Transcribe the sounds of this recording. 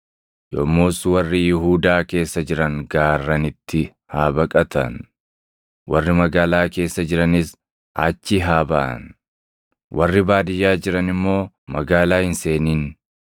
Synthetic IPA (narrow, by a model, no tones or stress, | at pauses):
jɔmːoːswɐrːɪjɪɦuːd̪aːke̞ːsːɐd͡ʒɪɾɐŋɡaːrːɐnɪt̪ːɪ | haːbɐkʼɐt̪ʰɐ̰n | wɐrːɪmɐɡaːlaːke̞ːsːɐd͡ʒɪɾɐnɪs | ʔaːt͡ʃːɪɦaːbɐʔɐ̰n | wɐrːɪbaːd̪ɪjːaːd͡ʒɪɾɐnɪmːo̞ː | mɐɡaːlaːhɪnse̞ːniːn